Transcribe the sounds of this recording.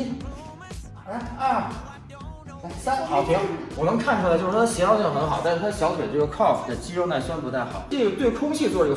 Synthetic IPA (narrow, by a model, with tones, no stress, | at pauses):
ɐ˥˩˥ | sa˥nxɑ˨˩ʊt̪ʰi˧˥ŋwɔ˨˩nɤ˧˥ŋkʰa˥˩nʈ͡ʂʰu˨˩la˥ɪt͡ɕo˥˧ʂ̩ʰ˥˩˧ɕjɛ˧˥lɑ˥ʊt͡ɕjɑ˥˩nɤ˧˥xɑ˨˩ʊt̪a˥˧nʂɻ̩ʰ˥˩a˥ə˩ɕjɑ˧˥ʊt̪ʰwɛ˨˩ʈ͡ʂɡə˩kʰɑ˥˩pʰd̪ə˥˩t͡ɕi˥ʈ͡ʂo˥ʊna˥˩ɪswa˥npu˧˥t̪ʰa˥˩ɪxɑ̰˨˩˦e˥˩˧t̪we˥˩kʰʊ˥ŋɕʰi˥˩ə˩t͡swɔ˥˧˩